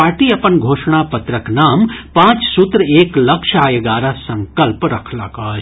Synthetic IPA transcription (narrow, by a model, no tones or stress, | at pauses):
aːɾʈiɐpənɡʱoːʃɳapɐt̪ɾəknaːmpãːt͡ʃsut̪ɾeːklɐkʃʰaːjəɡaːɾasɐ̃ŋkəlpɾɐkʰlɐ̰ka